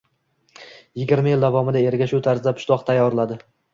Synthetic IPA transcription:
jɪɡʲɪɾmajɪld̪avɒmɪd̪ae̞ɾɡʲaʃut̪ʰaɾzɪd̪apʰʊ̥ʃlˠɒqt̪ʰajːɒɾlad̪ɪ

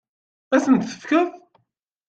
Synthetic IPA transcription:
æsənt̪θə̥fkəθ

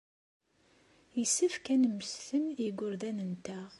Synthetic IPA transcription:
jisəfkænəmːəsθəniɡʷʊɾðænənt̪æ

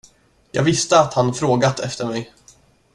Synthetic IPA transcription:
jɑːɡvɪst̪əat̪hanfɾoːɡat̪ʰɛft̪əɾmɛj

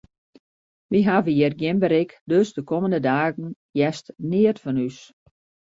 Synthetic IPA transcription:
ʋiɦaːvəjɪrɡjɪmbəɾɪkdøsdəkoməndədaːɣən̩ | jɛstnɪərtfɔnys

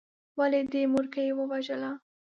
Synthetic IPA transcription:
waled̪emʊɾkajewəwaʒəla

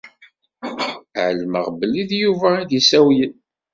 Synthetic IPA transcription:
ʕəlməʁbəlːiðjuvæid̪isæwjən

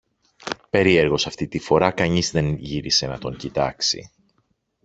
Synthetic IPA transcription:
pe̞ɾie̞ɾɣo̞sɐft̪it̪ifo̞ɾɐkɐɲizðe̞nʝiɾise̞nɐt̪o̞ɲcit̪ɐksḭ

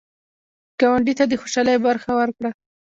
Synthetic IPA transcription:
ɡ̥awaɳɖit̪ad̪əxoʃɑləjbaɾxawaɾkɽa

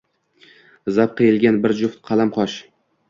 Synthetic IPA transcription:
zap̚qʰejɪlɡʲanbɪɾd͡ʒʊft̪̚qʰɑlamqʰɒʃ

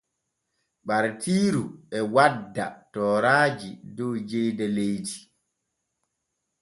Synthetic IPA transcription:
ɓaɾtiːɾuɛwadːa̰tɔːɾaːd͡ʒidɔwd͡ʒɛjdɛlejdi

